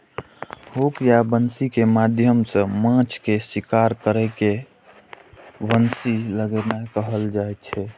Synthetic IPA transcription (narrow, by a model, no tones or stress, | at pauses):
hopjabənsikemad̪ʱjəmsə̃mãt͡ʃkesikaɾkəɾɛke | bənsiləɡɛnakəɦəld͡ʒaɛt͡ʃʰɛ